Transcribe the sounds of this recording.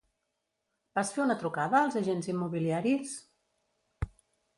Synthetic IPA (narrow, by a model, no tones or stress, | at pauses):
b̥asfeunət̪ɾukaðəːlˠzəʒenzimːuβiliaɾis